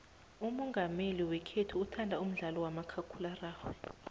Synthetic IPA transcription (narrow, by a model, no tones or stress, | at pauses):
umɔŋɡʱameliwɛkʰetʰuutʰandʱaum̩ɮalɔwamakʰakʰularaːxwɛ